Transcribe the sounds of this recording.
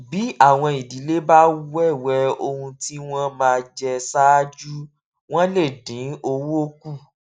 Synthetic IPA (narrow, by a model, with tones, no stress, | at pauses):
bi˨˦a˦˨w̃ɔ̃˧i˨di˨˦le˦ba˦wɛ˦˨wɛ˧o˧hũ˧ti˦w̃ɔ̃˦mãː˧d͡ʒɛ˧sa˦d͡ʒu˦ | w̃ɔ̃˦le˦˨dĩ˨˦o˧wo˦ku˦˨